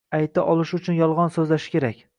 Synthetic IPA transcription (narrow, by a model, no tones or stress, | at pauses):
ajt̪ʰaʔɒlˠɪʃʊt͡ʃʰʊnjɒlˠʁɒnsɵzlaʃɪ̥kʲe̞ɾakʲ